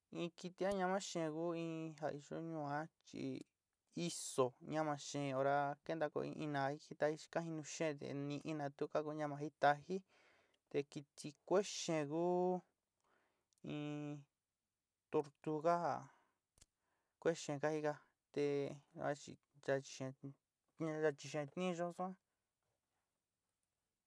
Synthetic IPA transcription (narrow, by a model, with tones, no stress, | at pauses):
ĩ˧ki˧t̪i˧˦a˦ɲã˧mã˦ʃẽ˧˨˧ku˦ĩ˧ɦa˧˨i˧ʒo̰˦ɲũ˧ã˦t͡ʃḭ˧ | i˦so˨ɲã˧mã˧ʃẽ˨˧o˧ɾa˧ke˦nd̪a˧ko̰˧ḭ̃˧ʔĩ˧nã˧i˧ki˦t̪a˧hi̥˦˧kã˦hi˧nũ˧ʃẽ˦˨t̪ḛ˧nĩ˧ʔĩ˧nã˧t̪u˦ka˦ku˧˦ɲã˧mã˧ɦi˦t̪a˧hi˦ | t̪e˧ki˧t̪i˧kʷe˦ʃẽ˧˨ku˦ | ĩ˧ | t̪o˧ɾt̪u˧ɣa˦a˨ | kʷe˦ʃẽ˧˨ka˦hi˦˧ka˧ | t̪e˧a̰˦t͡ʃḭ˧ | d͡ʒa˧t͡ʃi̥˧ʃẽ˧ | a˧t͡ʃi˧ʃẽ˧t̪nĩ˦˧ʒo˦sã˦